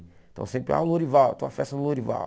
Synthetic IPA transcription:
t̪ɐ̰̃w̃sẽmpɾɪa̰ũloɾivawt̪õw̃ɐfɛst̪ɐnʊloɾiva̰

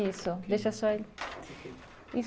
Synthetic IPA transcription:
isʊd̪eʃɐsɔe | i

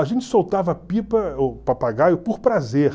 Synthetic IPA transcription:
aʒẽnt͡ʃɪ̥sowt̪avɐpipɐopapaɡajʊpʊɾpɾazeɾ

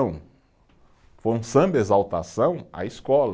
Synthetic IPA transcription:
w̃ | fõsɐ̃mbezawt̪asɐ̃w̃a̰iskɔlɐ

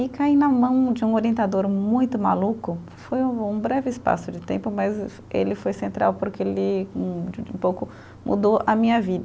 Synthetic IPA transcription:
ɪkainɐmɐ̃w̃d͡ʒɪũoɾiẽnt̪ad̪oɾmũj̃t̪ʊma̰lukʊ | fojũbɾɛvɪɪspa̰sʊd͡ʒɪt̪ẽmpʊmɐz | elɪfojsẽnt̪ɾa̰wpoɾkɪelɪũũpowkʊ | mṵd̪oʔɐmĩɲɐvid̪ɐ

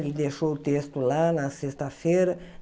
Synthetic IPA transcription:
lid̪eʃowut̪est̪ulanasest̪afeɾə

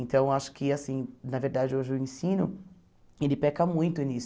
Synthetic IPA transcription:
ẽnt̪ɐ̃w̃aʃʊ̥kɪasĩnɐveɾd̪ad͡ʒɪoʒɪʊẽsĩnʊ | elɪpɛkɐmũj̃t̪ʊnis

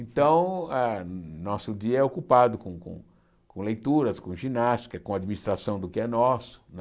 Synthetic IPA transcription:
ẽnt̪ɐ̃w̃ɛnɔsʊd̪iɐɛokupad̪ʊkõkõ̰ | kõlejt̪uɾɐskõʒinast͡ʃ̪i̥kɐkõad͡ʒiminist̪ɾasɐ̃w̃d̪ʊkɪɛnɔsʊ̥n

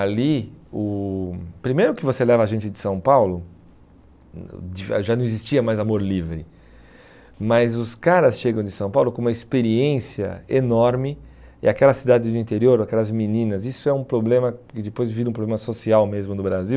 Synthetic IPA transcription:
aliʊ | pɾimejɾʊkɪvoselɛvɐaʒẽnt͡ʃɪd̪ɪsɐ̃w̃pawlʊ | d͡ʒiʒanɐ̃w̃ɪzist͡ʃiɐmajzamoɾlivɾɪ | mɐzʊskaɾɐsʃeɡɐ̃w̃d͡ʒ̪ɪsɐ̃w̃pawlʊkõũmɐispeɾiẽsiɐ̰enɔɾmɪɪ̰akɛlɐsid̪ad̪ɪzd̪ʊĩnt̪eɾioɾakɛlɐzminĩnɐzisʊɛũpɾoblẽmɐkɪd͡ʒɪpojzviɾɐũpɾoblẽmɐsosiawmezmʊnʊbɾaziw

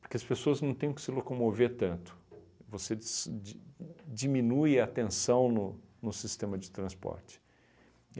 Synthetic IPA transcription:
poɾkeɐspesoɐznɐ̃w̃t̪ẽj̃ʊ̃kɪ̥sɪlokomoveɾt̪ɐ̃nt̪ʊ̥ | vosed͡ʒd͡ʒimĩnujaːt̪ẽsɐ̃w̃nʊnʊsist̪ẽmɐd͡ʒɪt̪ɾɐ̃spɔ̰ɾt͡ʃɪ̥

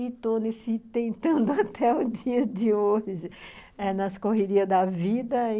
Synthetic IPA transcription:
it̪onesɪt̪ẽnt̪ɐ̃nd̪ʊat̪ʰɛʊd̪iɐd̪ɪoʒɪ | ɛnɐskoɦeɾiɐd̪ɐvid̪ɐ̃

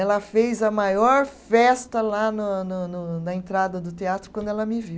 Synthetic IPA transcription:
ɛlɐfejzɐmajɔɾfɛst̪ɐlanʊnʊnʊnɐẽnt̪ɾad̪ɐd̪ʊt̪eat̪ɾʊkwɐ̃nd̪ʊɛlɐmɪviw

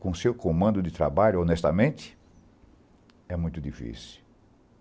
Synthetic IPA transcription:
kõsewkõmɐ̃nd̪ʊd̪ɪt̪ɾa̰baʎʊonɛst̪ɐmẽnt̪ɪ̥ | ɛmũj̃t̪ʊd̪ifḭsi̥

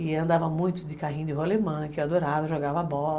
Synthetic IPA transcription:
ɪɐ̃nd̪avɐmũj̃t̪ʊd̪ɪkaɦĩɲʊd̪ɪɦolemɐ̃kɪɛwad̪oɾavɐʒoɡavɐabɔl

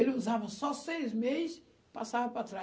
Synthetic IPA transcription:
elɪuzavɐsɔsejzmezɪs | pasavɐpɾat̪ɾa

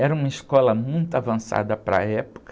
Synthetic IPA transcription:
ɛɾɐũmɐiskɔlɐmũj̃t̪ʊavɐ̃sa̰d̪ɐpɾɐ̰ɛpo̥k

